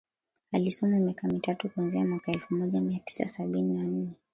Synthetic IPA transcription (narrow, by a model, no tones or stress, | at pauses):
alisɔmamjakamitatukuanziamwakaɛlfumɔʄamiati̥sa̰saɓininan̩nɛ